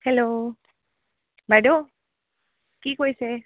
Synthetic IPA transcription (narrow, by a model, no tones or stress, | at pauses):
hɛlo | bʱaɖo | kikojse